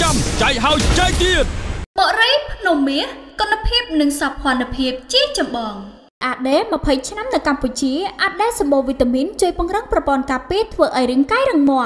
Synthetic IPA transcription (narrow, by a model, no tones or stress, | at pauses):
amt͡ɕak̚ɦaɔjt͡ɕəjt̪iət̪̚ɓoʔrəjpʰnumːiəhkonapʰiəp̚nɨŋsapʰŏənapʰiəp̚t͡ɕiət͡ɕɑmɓɑːŋ | ʔaːɗeːmə̆pʰəjt͡ɕʰnamnɨwkamput͡ɕiəʔaɗeːsɑmɓoːʋit̪ːamiənt͡ɕuəjpʊ̆əŋrɨŋprɑpŏənkaːpiət̪ʰʋəːʔaɔjrɨəŋkaːjrɨŋmŏə